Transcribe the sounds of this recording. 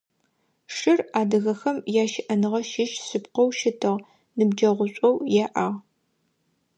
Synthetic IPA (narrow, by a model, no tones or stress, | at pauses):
ʂɨraːdɐɣɐxɐmjaːʃɪʔɐnɨʁɐʃɪʃsɨpqɔwʃɪtʰɨʁ | nɨbd͡ʒɐʁʷʊɕʷʼɔwjɛʔaːʁ